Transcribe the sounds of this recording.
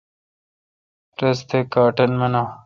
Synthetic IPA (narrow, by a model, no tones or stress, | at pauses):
ɾɐst̪ekɑːʈɐnmɐnaw